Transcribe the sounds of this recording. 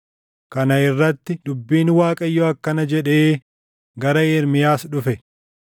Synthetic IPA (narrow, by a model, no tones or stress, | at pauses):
kɐnɐɪrːɐt̪ːɪd̪ʊbːiːnwaːkʼɐjːoɐkːɐnɐd͡ʒɛᶑeː | ɡɐɾɐeːɾmɪjaːsᶑʊfɛ